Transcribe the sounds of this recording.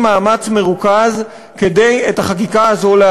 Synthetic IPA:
maːmat͡sme̞ʁukaz | ke̞de̞jethaχakikaːzo̞le

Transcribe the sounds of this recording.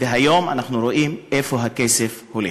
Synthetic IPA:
veɦajo̞ma̰naχnuɾoʔimʔefo̞ɦakesefhule

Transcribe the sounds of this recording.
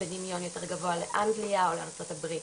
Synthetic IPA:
bedimjo̞njo̞te̞ʁɡavo̞aleʔaŋɡliaoleaʁt͡so̞tabʁit

